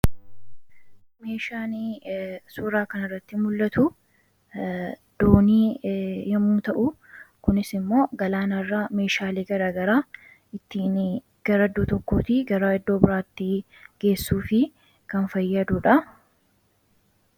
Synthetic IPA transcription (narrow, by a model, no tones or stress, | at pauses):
me̞ːʃaːnisuːɾaːkɐnɐrːɐt̪ːɪmʊlːɐt̪ʊ | d̪̥oːniːjɐmuːt̪ɐʔʊ | kʊnɪsɪmːo̞ːɡɐlaːnɐrːame̞ːʃaːleːɡɐɾaːɡɐɾaː | ɪt̪ːiːn | ɡ̥ɐɾɐd̪ːoːt̪ɔkːoːt̪iɡɐɾaːɛd̪ːoːbɪɾaːt̪ːiː | ɡ̥e̞ːsːuːfɪ | kɐnfɐjːɐd̪ʊᶑɐ